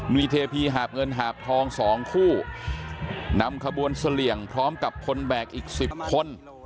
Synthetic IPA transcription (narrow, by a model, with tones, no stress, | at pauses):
nwiː˧t̪ʰeː˧pʰiː˧ɦaː˨˩p̚ŋɤ˧nɦaː˨˩p̚t̪ʰɔː˧ŋsɔː˩˦ŋkʰuː˥˩ | na˧mkʰa˧bu˧ənsa˧li˨˩əŋpʰɾɔː˦˥mka˨˩p̚kʰo˧nbɛː˨˩k̚ʔiː˨˩k̚si˨˩p̚kʰo˧n